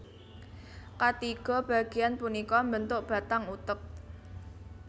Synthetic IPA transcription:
kat̪iɡ̥ɔ̤b̥ä̤ɡ̥e̤janpunikɔmbənt̪ʊʔb̥ä̤t̪aŋut̪ək̚

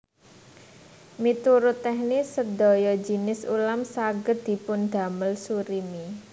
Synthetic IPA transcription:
mit̪uɾʊt̪ɛhnisəd̪ɔ̤jɔd͡ʒi̤nɪsṵlamsaɡəd̪̥i̤pʊnd̪̥a̤məlsuɾimi

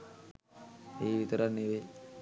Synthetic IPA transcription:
eːʋit̪əɾanːiʋe

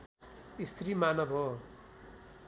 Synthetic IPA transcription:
ist̪rimanʌbʱɦo

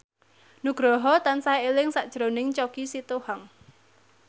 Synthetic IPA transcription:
nuɡ̥ɾɔɦɔt̪ansaeelɪŋsaʔd̥ʒ̥ɾonɪŋt͡ʃɔkisit̪ohaŋ

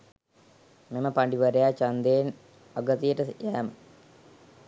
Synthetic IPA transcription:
meməpaɳɖiʋəɾejat͡ʃand̪eːn | aɡət̪ijəʈəjæːmə

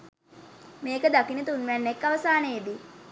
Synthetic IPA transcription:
meːkəd̪akinət̪unʋænːekːaʋəsaːnejed̪i

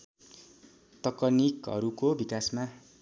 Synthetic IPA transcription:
t̪ʌkʌnikɦʌ̰ɾukobikasma

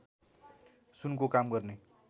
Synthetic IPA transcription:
sunkokamɡʌrne

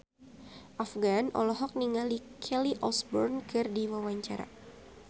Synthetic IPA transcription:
ʔafɡanɔ̰lɔɦɔk̚niŋalikʰɛliʔɔlsbɔrnkɨrdiwawaɲt͡ʃaɾa̰

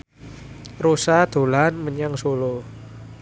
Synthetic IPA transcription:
ɾosad̪̥o̤lanməɲaŋsolo

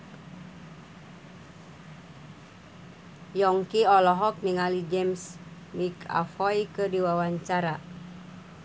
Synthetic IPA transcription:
jɔŋkiɔlɔɦɔk̚niŋalid͡ʒɛms | mika̰fɔjkɨdiwawaɲt͡ʃaɾa

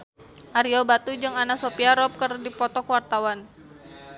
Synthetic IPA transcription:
ʔaɾiɔbat̪ud͡ʒɨŋanasopiaɾɔp̚kərdipɔt̪ɔkwart̪awan

